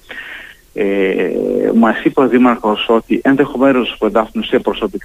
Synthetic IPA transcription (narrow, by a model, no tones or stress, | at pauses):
ḛ | mɐsipoðimɐɾxo̞so̞t̪iʔe̞nðe̞xo̞menospuend̪ɐft̪inusiɐpɾoso̞pik